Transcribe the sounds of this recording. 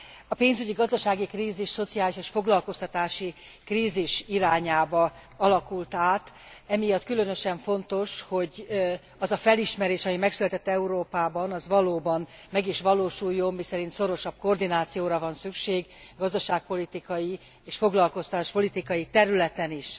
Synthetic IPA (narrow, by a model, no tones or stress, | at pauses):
ɒpeːnzyɟiɡɒzd̪ɒʃaːɡikriːziʃso̞t̪sijaːliʃeːʃfo̞ɡlɒlko̞st̪ɒt̪aːʃi | kriːziʃiɾaːɲaːbɒ | ɒlɒkult̪aːt̪ | ɛmijɒt̪ːkylø̞nø̞ʃɛɱfo̞nt̪o̞ʃho̞ɟ | ɒzɒfɛliʃmɛɾeːʃɒmimɛksylɛt̪ɛt̪ːɛuɾoːpaːbɒnɒzʋɒloːbɒn | mɛɡiʃʋɒloːʃujːo̞mːisɛɾint̪so̞ɾo̞ʃɒb̚ko̞rd̪inaːt̪sijoːɾɒvɒnsykʃeːɡɡɒzd̪ɒʃaːk̚po̞lit̪ikɒji | eːʃfo̞ɡlɒlko̞st̪aːʃpo̞lit̪ikɒjit̪ɛɾylɛt̪ɛniʃ